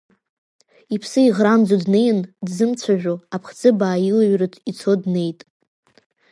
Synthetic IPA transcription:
ipʰsɨiʁrand͡zodnejndzɨmt͡sʷʰaʒᶣoapʰχd͡zɨbaːjilaɥrɨtʰit͡sʰodne̞jtʼ

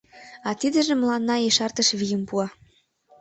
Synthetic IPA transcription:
ɑt̪id̪ə̆ʒĕmlɑnːɑeʃɑrt̪ə̆ʃβijə̆mpuɑ

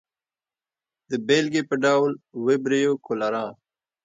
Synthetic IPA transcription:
d̪əbelɡepəɖawlwebɾejokolaɾɑ̃ː

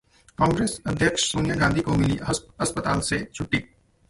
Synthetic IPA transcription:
kãːŋɡɾeːsɐd̪ʱjəkʃsoːnijaɡãːnd̪ʱikomɪliɐspət̪aːlset͡ʃʰʊʈːiː

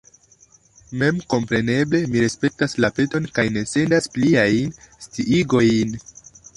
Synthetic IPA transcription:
me̞mko̞mpɾe̞ne̞ble̞miɾespe̞k̚taslape̞to̞nkajne̞se̞ndaspliajnstiʔiɡo̞jn

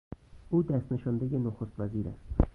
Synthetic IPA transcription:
ʔuːd̪æst̪neʃɒnd̪ejenoxost̪væziːɾæ̰st̪

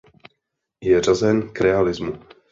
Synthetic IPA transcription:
jɛr̝azɛnkɾɛalɪzmu

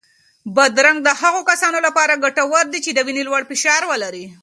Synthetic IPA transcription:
bad̪ɾaŋɡ̚d̪əhaɣokasɑnolapɑɾaɡaʈawəɾd̪it͡ʃed̪əwinilwaɽfɪʃɑɾwəlaɾi

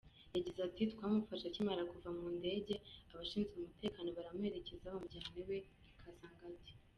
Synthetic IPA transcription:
jaɟizatitkwaːmufaʃacimaɾakuvamuːnde̞ːɟe̞aβaʃiːnzɡeumute̞ːkaːno̞βaɾamue̞ɾe̞ce̞zaβomuɟaːnewe̞ | kʰazaːŋɡabje

